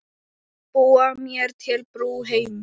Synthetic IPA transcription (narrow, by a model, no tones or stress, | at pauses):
poːamiɐɾt̪ʰeɾpɾuːɦejm